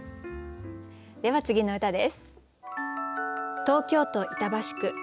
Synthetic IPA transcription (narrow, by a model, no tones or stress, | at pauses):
d̪e̞βat͡sɨɡʲino̞ɯ̟t̪ad̪esɨ̥ | t̪o̞ːkʲo̞ːt̪o̞ʔit̪abaɕi̥kɯ̟